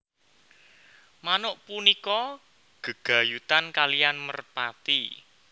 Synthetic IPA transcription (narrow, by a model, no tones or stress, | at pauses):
manʊʔpunikɔ | ɡ̥ə̤ɡ̥a̤jut̪ankalijanmərpat̪i